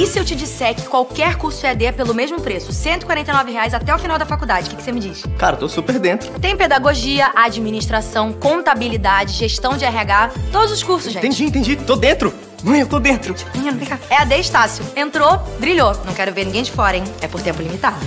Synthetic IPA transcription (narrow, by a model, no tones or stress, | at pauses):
isɪewt͡ʃɪd͡ʒisɛɾkɪ̥kwawkɛɾkuɾsʊɛd̪epelʊmeʒmʊpɾesʊsẽnt̪ʊɪikwaɾẽt̪ejnɔvɪɦeajzat̪ɛʊfinawd̪ɐfakud̪ad͡ʒɪkɪ̥kɪ̥semɪd͡ʒiʃklaɾɐt̪osupeɾd̪ẽnt̪ɾʊt̪ẽj̃ped̪aɡoʒiɐʔad͡ʒiminiʃt̪ɾasɐ̃w̃kõnt̪abilid̪ad͡ʒɪʒeʃt̪ɐ̃w̃d͡ʒɪɛɦiaɡat̪od̪ʊzʊskuɾsʊsʒẽt̪ẽd͡ʒĩt̪ẽd͡ʒit̪od̪ẽnt̪ɾʊ | vũj̃ewt̪od̪ẽnt̪ɾʊmĩẽnũmẽkaɛad̪eɪʃt̪asjʊẽnt̪ɾod̪ɾiʎonɐ̃w̃kɛɾʊveɾnĩɡẽj̃d͡ʒɪfɔɾẽj̃ɛpoɾt̪ẽmpʊlimit̪ad̪ʊ